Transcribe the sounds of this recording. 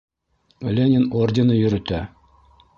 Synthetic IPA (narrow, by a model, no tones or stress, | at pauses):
lʲenʲenordʲenɤjɵ̆ɾɵ̆t̪æ